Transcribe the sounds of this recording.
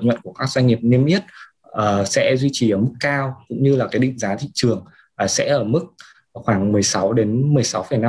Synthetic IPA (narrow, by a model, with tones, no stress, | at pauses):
ɲwə̰˧˨nku˧˩əkaː˦˥k̚za˧ŋ̟ŋi˨˩p̚ne˧mʔi˦˥ət̚ | ʔəː˨˩sɛ̰˧˥zwi˧t͡ɕi˨˩ʔəː˧˩mɨ˦˥kːaː˧wkʊ̰˧˥ŋ͡mɲɨ˧laː˨˩kaː˨˦jɗḭ̈˧˨ŋ̟zaː˨˦t̪ʰḭ˧˨t͡ɕɨ˨˩əŋ | ʔaː˨˩sɛ̰˧˥ʔəː˧˩mɨ˦˥k̚ | xwaː˧˩ŋmɨ˨˩əjsa˨˦wɗe˨˦nmɨ˨˩əjsa˨˦wfə˨˩jna˧